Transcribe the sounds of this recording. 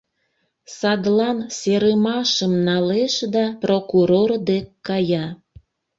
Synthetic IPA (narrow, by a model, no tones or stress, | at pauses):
sɑd̪lɑnseɾəmɑʃəmnɑleʃd̪ɑprokuɾord̪ekkːɑjɑ